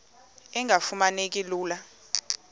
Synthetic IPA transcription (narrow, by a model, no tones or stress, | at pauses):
ɛŋʱafumanek̬ʼiluːla